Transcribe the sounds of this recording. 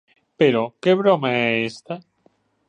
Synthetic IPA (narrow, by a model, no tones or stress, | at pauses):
peɾokeβɾomaeest̪a